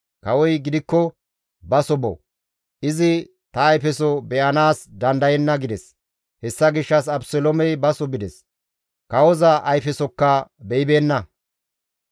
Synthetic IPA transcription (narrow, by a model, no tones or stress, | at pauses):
kɐwɔjɡɪd̪ɪkːɔ | bɐsɔbɔ̰ | ʔɪzɪ | t̪ɐːjfɛsɔbɛʔɐnaːsd̪ɐnd̪ɐjɛnːɐɡɪd̪ɛs | hɛsːɐɡɪʃːɐs̬ɐbsɔlɔmɛjbɐsɔbɪd̪ɛs | kɐwɔzɐʔɐjfɛsɔkːɐbɛjbe̞ːnːɐ